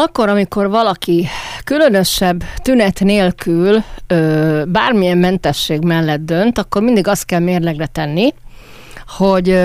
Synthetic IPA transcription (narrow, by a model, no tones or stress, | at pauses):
ɒkːo̞ɾɒmiko̞rvɒlɒkikylø̞nø̞ʃɛbːt̪ynɛt̪neːlkʰyløːbaːrmijɛmːɛnt̪ɛʃːeːɡmɛlːɛd̪̚d̪ø̞nt̪ɒkːo̞rmind̪iɡɒst̪̚kɛlmeːrlɛɡrɛt̪ɛnːi | ho̞ɟ